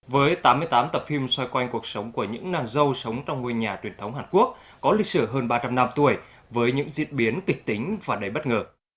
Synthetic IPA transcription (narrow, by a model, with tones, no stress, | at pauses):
vəː˨˦jt̪aː˨˦mɨ˧əjt̪aː˨˦mt̪ə˨˩p̚fi˧mswa˧jkwa˧jŋ̟ku˨˩ək̚sə˨˦wŋ͡mku˧˩əɲɨ̰˧˥ŋnaː˧ŋzə˧wsə˨˦wŋ͡mt͡ɕɔ˧wŋ͡mŋu˧əɲaː˨˩t͡ɕwi˨˩ənt̪ʰə˨˦wŋ͡mɦaː˨˩nku˦˥ək̚ːɔ˨˦lï˨˩k̚sɨ˧˩ɦəː˧nɓaː˧t͡ɕa˧mna˧mt̪u˧˩əj | vəː˨˦jɲɨ̰˧˥ŋzḭ˧˥ənɓi˨˦ənkï˨˩k̚t̪i˨˦ŋ̟vaː˨˩ɗə˧˩jɓə˦˥t̚ŋəː˨˩